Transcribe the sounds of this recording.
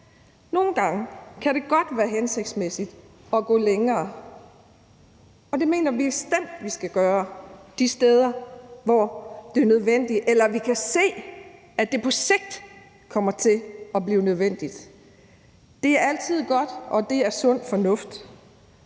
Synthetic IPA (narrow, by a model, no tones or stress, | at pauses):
no̝ːn̩ɡ̥ɑ̈ŋəkʰæɾe̝ɡ̥ɒ̽d̥ʋæːɐɦense̝ɡ̥d̥smesid̥ | ɒ̽ɡ̥ɔ̰ːleŋɐː | ɒ̽d̥e̝me̝̰ːnɐʋiesd̥æn̰d̥ʋisɡ̥æɡ̥ɶːɐd̥isd̥eːð̞ˠɐʋɒd̥e̝ɐnøð̞ˠʋen̰d̥iʔelɐʋikʰæse̝̰ː | æd̥e̝pʰɒ̽se̝ɡ̥̚d̥ | kʰɒ̽m̰ɐt͡sʰe̝lɒ̽b̥liːʊnøð̞ˠʋen̰d̥id̥ | d̥e̝æɐæl̰t͡sʰið̞̰ˠɡ̥ɒ̽d̥ɒ̽d̥e̝æɐsɔ̽n̰fɒ̽nɔ̽fd̥